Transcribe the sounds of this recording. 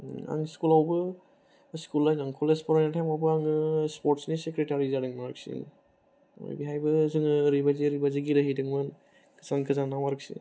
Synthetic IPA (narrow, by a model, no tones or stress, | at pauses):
a̰ŋskulawbɯ | skulːajnaŋkʰɔlespɔɾanatʰajmawbɯaŋɯspɔɾtsnisekɾetaɾizaɾɯŋmaɾɯk̚sḭn | ɔ̰jbiɦajbɯzɯŋɯɾibaziɾibaziɡiɾɯɦidɯŋman | kʰɯ̥zankʰɯzanːamaɾɯk̚sḭ